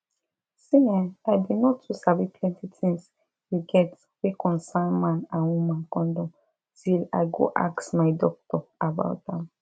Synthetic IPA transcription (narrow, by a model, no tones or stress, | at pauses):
siãnaɪdinɔtʰːusavipʰlɛ̃ntitʰĩŋs | huɡɛt | wikʰɔ̃nsãnmãnãnwumãnkɔ̃ndɔ̃m | tʰila̰ɪɡo̰ʔa̰ksmaɪdɔk̚tɔaba̰ʊt̚ãm